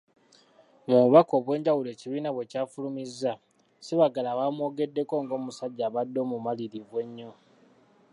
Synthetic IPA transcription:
muβuβako̞ːβwe̞ːɲɟawule̞ːciβiːnaβwe̞caːfulumizːa | siβaɡalawaːmwo̞ːɡe̞dːe̞ko̞ːŋɡo̞ːmusaɟːaːβadːo̞ːmumaliɾivwe̞ɲːo̞

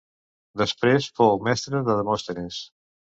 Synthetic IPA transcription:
d̪əspɾesfomɛst̪ɾəðəðəmost̪enes

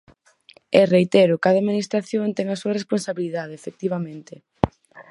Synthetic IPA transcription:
erejt̪eɾʊkaðaminist̪ɾaθjont̪ɛŋasuɐresponsaβiliðaðeefek̚t̪iβamẽnt̪e

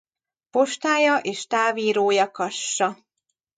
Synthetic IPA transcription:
po̞ʃt̪aːjɒʔeːʃt̪aːviːɾoːjɒkɒʃːɒ

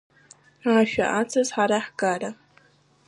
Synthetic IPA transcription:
aːʃᶣa̰ʔat͡sʰɐzħaɾaħɡaːɾɐ

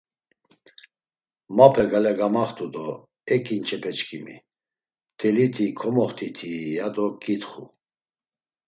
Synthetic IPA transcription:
mapʰɛɡalɛɡamaχt̪ʼud̪ɔ | ɛkʼint͡ʃʰɛpʰɛt͡ʃkʰimḭ | t̪ʰʼɛlit̪ʰikʰɔmɔχt̪ʰit̪ʰijad̪ɔkʼit̪χṵ

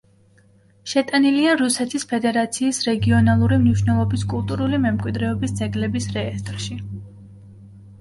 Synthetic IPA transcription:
ʃɛt̪ʼaniliaɾusɛt̪ʰispʰɛd̪ɛɾat̪sʰiːsɾɛɡiɔnalˠuɾimniʃnɛlˠɔbiskʼulˠt̪ʼuɾulimɛmkʼwid̪ɾɛɔbisd̪zɛɡlɛbisɾɛːst̪ʼɾʃi

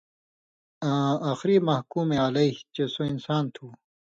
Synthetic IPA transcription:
ãaxɾimɐhkuːmealɐit͡ɕesoinsaːnt̪ʰuː

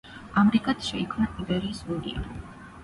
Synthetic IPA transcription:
amɾikʼat̪ʰʃɛikʰmnaʔibɛɾiːsvuɾḭa̰

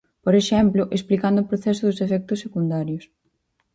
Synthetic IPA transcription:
poɾeʃɛmplʊʔesplikand̪ʊːpɾoθɛsʊðʊsefɛk̚t̪ʊsːekund̪aɾjʊs

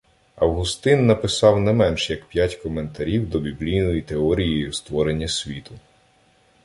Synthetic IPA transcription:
ɐwɦʊst̪ɪnːɐpɪsɑwnɛmɛnʃjɐkpʲjatʲkɔme̞nt̪ɐɾʲiwd̪ɔbʲiblʲijnɔjit̪eɔɾʲijɔjʊst̪ʋɔɾe̞nʲːɐsʲʋʲit̪ʊ

